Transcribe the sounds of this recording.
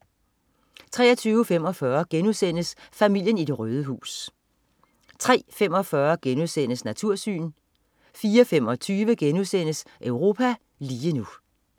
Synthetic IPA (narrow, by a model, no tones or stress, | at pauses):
t͡sʰʁɛ̰ːɐt͡sʰyːʊəfem̰ɒ̽fɶɐɡ̥enusen̰əsfæmil̰jənid̥e̝ʁœːð̞ˠəɦṵːs | t͡sʰʁɛ̰ːfemɒ̽fɶɐɡ̥enuðˠsen̰əsnæt͡sʰuɐ̰sy̰ːn | fiːɒfemɒ̽t͡sʰyːʋəɡ̥enuðˠsen̰əsʔœʊʁo̝ːpʰæ | liːənu